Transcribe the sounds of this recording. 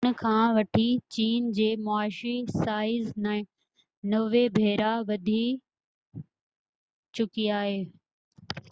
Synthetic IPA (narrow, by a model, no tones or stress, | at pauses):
kʰãːʋɐʈʰit͡ɕiːnd͡ʑeːmʊaːʃisaːɪzn | nɐʋebʱeːɾaʋɐd̪ʱi | t͡ɕʊkiaːɦeː